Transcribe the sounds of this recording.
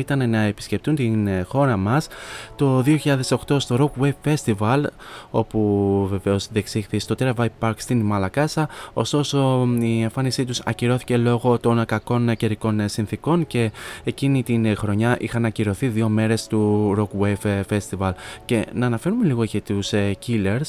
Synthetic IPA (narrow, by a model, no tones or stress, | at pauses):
it̪ɐnenɐepi̥sce̞p̚t̪unt̪inxo̞ɾɐmɐst̪o̞ðio̞çiʎɐðe̞so̞xt̪o̞st̪o̞ɾo̞kweffe̞st̪ivɐlo̞̰puve̞ve̞o̞zðeksixθist̪o̞t̪ɾevɐipɐɾkst̪inmɐlɐkɐsɐo̞̰st̪o̞so̞ie̞ɱfɐnisit̪usɐ̰ciɾo̞θi̥ce̞lo̞ɣo̞t̪o̞nkɐko̞nce̞ɾiko̞nsinθiko̞nce̞ːcinit̪inxɾo̞ɲɐʔixɐnɐciɾo̞θiðio̞me̞ɾe̞st̪uɾo̞kwevfe̞st̪ivɐlce̞nɐːnɐfe̞ɾume̞liɣo̞cit̪uscile̞ɾs